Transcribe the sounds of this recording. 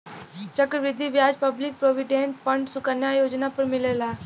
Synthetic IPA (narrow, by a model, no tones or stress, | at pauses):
t͡ʃəkɾəʋɪd̪ʱːiʋjaːd͡ʒpəblɪk̚pɾoːʋɪɖẽːɳʈfə̃ɳɖsʊkənjajoːd͡ʒnapɐɾmɪlelaː